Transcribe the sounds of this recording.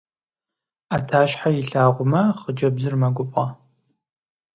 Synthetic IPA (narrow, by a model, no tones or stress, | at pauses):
atʰaːʃħajɪɬaːʁʷʊmɐχəd͡ʒɐbzɨrmɐɡʷʊfʼɐ